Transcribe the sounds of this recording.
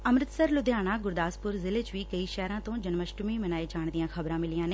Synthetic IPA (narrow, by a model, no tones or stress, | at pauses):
əmɾɪt̪səɾlʊd̪ʱjaːɽ̃ãːɡʊɾd̪aːspʊɾzɪlet͡ʃʋiːkəiːʃɛːɾãːt̪õːd͡ʒənməʃʈʊmiːmənaːeːd͡ʒaːɳd̪ijãːkʰəbɾãːmɪlijãːneː